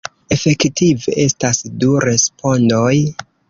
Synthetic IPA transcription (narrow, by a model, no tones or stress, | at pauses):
e̞fe̞ktiveʔe̞stasduɾe̞spo̞ndoj